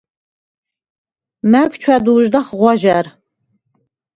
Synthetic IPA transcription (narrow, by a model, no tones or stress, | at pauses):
mækt͡ʃʰad̪uːʒd̪ɐχʁʷɑʒar